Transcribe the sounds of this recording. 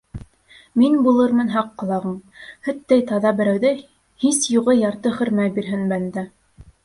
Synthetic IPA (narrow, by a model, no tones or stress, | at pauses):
minbulˠɤɾmɤ̆nɦɑqːɑ̆lˠɑʁɤmhɵ̆t̪ːæjt̪ɑðɑbɘ̆ɾæwðɘ | hisjuʁɤjɑɾt̪ɤχɵ̆ɾmæjbiɾɦɘnbænd̪æ